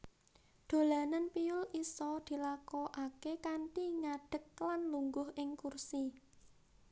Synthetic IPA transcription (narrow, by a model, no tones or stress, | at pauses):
d̪̥o̤lanənpiʊlisɔd̪̥i̤lakɔʔakekaɳʈiŋaɖ̥ə̤k̚lanluŋɡʊhʔɪŋkursi